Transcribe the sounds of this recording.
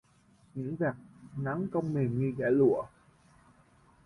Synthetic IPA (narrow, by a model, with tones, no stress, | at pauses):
ɲɨ̰˧˥ŋvaː˨˩k̚na˨˦ŋkə˧wŋ͡mme˨˩ɲɨ˧ɣaː˧˩lṵ˧˨ə